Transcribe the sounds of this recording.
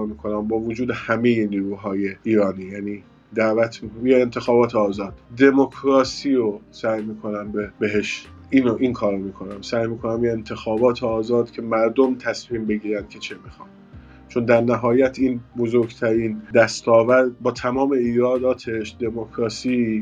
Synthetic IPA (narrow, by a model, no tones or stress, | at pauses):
miːkʰo̞næmbɒːvod͡ʒuːd̪e̞hæmejeniːɾuːɦɒːje̞iːɾɒːniːjæniː | d̪æʔvæt̪ʰmijeent̪ʰe̞xɒːbɒːt̪ʰeɒːzɒːd̪̥d̪e̞mokʰɾɒːsiːɾosæjmiːkʰonæmbebe̞ɦeʃiːnoʔinkʰɒːɾomiːkʰo̞næmsæjmiːkʰo̞næmjeent̪ʰe̞xɒːbɒːt̪ʰeɒːzɒːd̪cʰe̞mæɾd̪o̞mt̪ʰæsmiːmbe̞ɡiːɾænd̪̥̚cʰe̞t͡ʃʰe̞mixɒːn | t͡ʃʰo̞nd̪æɾnæɦɒːjæt̪ʰinbozoɾɡt̪ʰæɾiːnd̪æst̪ɒːvæɾd̪bɒːt̪ʰæmɒːme̞iːɾɒːd̪ɒːt̪ʰe̞ʃd̪e̞mokʰɾɒːsiː